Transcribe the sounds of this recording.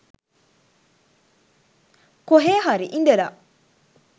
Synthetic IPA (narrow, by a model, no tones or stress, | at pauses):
koɦeɦaɾiʔindela